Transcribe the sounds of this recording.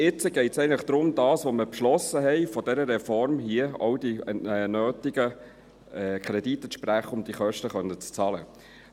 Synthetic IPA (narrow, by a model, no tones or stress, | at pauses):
ɪt͡səɡ̥ɛɪtsɛɪəŋləχd̥̪ɾʊmd̥ɑːsʋoməpʃlɔsːəɦɛɪfɔd̥ɛɾəɾɛfɔɾmhiəɔ̰ʊd̥iɛnøːtɪɡə | kʰɾɛd̥it̪əʃpɾæχəʊmd̥iχœʃtəχœnət͡st͡sɑːlə